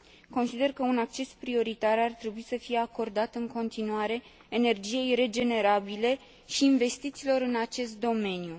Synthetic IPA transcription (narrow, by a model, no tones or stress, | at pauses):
ko̞nsid̪e̞rkəunak̚t͡ʃe̞spɾio̞ɾit̪arart̪ɾe̞buisəfije̞ako̞rd̪at̪ɨŋko̞nt̪inuaɾe̞ː | ne̞rd͡ʒije̞jre̞d͡ʒe̞ne̞ɾabile̞ | ʃiːnve̞st̪it̪siːlo̞ɾɨnat͡ʃe̞st̪̚d̪o̞me̞nju